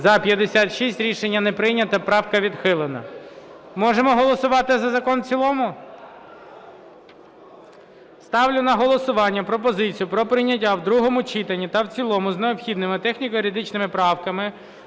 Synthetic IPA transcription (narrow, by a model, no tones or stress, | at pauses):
zɐpʲjɐd̪esʲat̪ʃisʲtʲɾʲiʃenʲːɐnɛpɾɪjnʲɐt̪ɐpɾɑwkɐʋʲid̪xɪlˠenɐ | mɔʒemɔɦɔlˠɔsʊʋɑt̪ɪzɐzɐkɔnt͡sʲilˠɔmʊ | st̪ɑwlʲʊnɐɦɔlˠɔsʊʋɑnʲːɐpɾɔp̬ɔzɪt͡sʲijʊpɾɔpɾɪjnʲɐtʲːawd̪ɾuɦɔmʊt͡ʃit̪ɐnʲːit̪ɐwt͡sʲilˠɔmʊzneɔpxʲid̪nɪmɪt̪ɛxnʲikɔiɾʲɪd̪ɪt͡ʃnɪmɪpɾɑwkɐmɪ